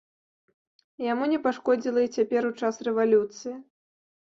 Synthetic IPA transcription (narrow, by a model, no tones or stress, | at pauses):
jamunʲɛpaʂkɔd͡zʲilˠɐit͡sʲapʲɛɾut͡ʂasrɛvalʲut̪sɨji